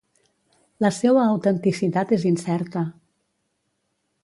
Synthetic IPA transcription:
ləsɛwəːwt̪ənt̪isit̪at̪ezinsɛɾt̪ə

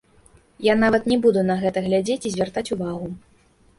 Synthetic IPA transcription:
janavɐt̪nʲɛbud̪unɐɣɛt̪ɐɣlʲad͡zʲet͡sʲizʲvʲart̪at͡sʲuvaɣu

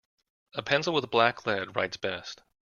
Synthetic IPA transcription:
əpʰɛ̃nsl̩ˠwəðblækʰlɛd̚ɹa̰ɪtsb̥ɛst̚

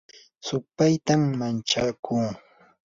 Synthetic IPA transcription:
sʊpajt̪amːant͡ʃakuː

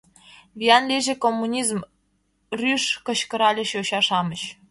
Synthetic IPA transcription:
vʲijɑnlʲiʒĕkomːunʲizm | rʲyʃkɤ̆ɕkɤ̆ɾɑlʲĕɕoɕɑʃɑmɤ̆ɕ

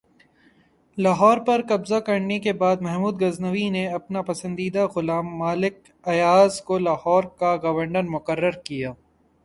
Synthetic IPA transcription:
laːɦɔːɾpɐɾkɐbzakɐɾnekebaːd̪̚mɛɦmuːd̪ɡɐznəʋineɐpnapɐsə̃nd̪iːd̪aɣʊlaːmːaːlɪk̚ | ɐjaːzkolaːhɔːɾkaɡɐʋəɾɳəɾmʊkəɾːəɾkijaː

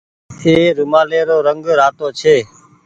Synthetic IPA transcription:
eːɾumaːleːɾoːɾəŋɡɾaːt̪oːt͡ʃʰeː

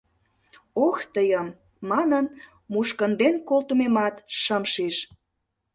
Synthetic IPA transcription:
oxt̪əjəmː | ɑnən | muʃkənd̪enkolt̪əmemɑt̪ʃəmʃiʃ

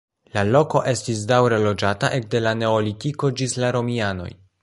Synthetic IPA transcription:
lalo̞ko̞ʔe̞stisdawɾe̞lo̞d͡ʒataʔe̞k̚de̞lane̞olitiko̞d͡ʒislaɾo̞miano̞̰j

